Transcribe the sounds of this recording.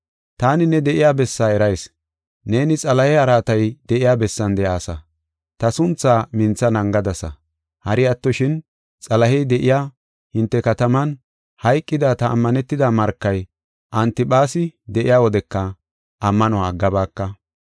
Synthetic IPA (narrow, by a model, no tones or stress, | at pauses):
t̪aːnɪnɛd̪ɛʔɪjaːbɛsːaːɛɾɐjs | ne̞ːnɪt͡sʼɐlɐhɛɐɾaːt̪ɐjd̪ɛʔɪjaːbɛsːɐnd̪ɛʔaːsɐ | t̪ɐsʊnt͡sːaːmɪnt͡sːɐnɐŋɡɐd̪ɐsɐ̰ | hɐɾɪɐt̪ːɔʃɪn | t͡sʼɐlɐhɛjd̪ɛʔɪjaː | hɪnt̪ːɛkɐt̪ɐmɐn | hɐjkʼːɪd̪at̪ɐ̰ːmːɐnɛt̪ːɪd̪aːmɐɾkːɐj | ʔɐnt̪ɪpʼaːsɪd̪ɛʔɪjaːwɔd̪ɛkːɐ | ʔɐmːɐnɔwaːɡɐbaːkːɐ